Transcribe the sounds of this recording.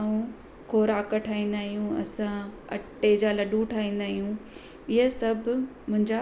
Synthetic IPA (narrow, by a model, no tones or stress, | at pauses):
ũ | kʰoːɾaːkəʈʰaːĩːn̆d̪aːɦijũɐ̰sãɐ̰ʈːed͡ʑalɐɗũʈʰaːĩːn̆d̪aːɦijũ | ɪɦəsɐbʱmʊ̃ɦɪ̃ɲd͡ʑa